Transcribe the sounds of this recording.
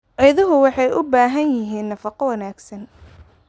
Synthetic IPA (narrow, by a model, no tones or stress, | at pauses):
ʕɛjðɐɦʊwɑħɑjʔʊbaːɦɐnjɪɦiːnːɐfɑqɔwɑnaːɡsɐn